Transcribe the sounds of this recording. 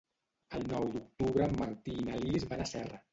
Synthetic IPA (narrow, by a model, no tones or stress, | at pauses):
əlˠnɔwd̪uk̚t̪uβɾəmːaɾt̪iːnalizβanəsɛrə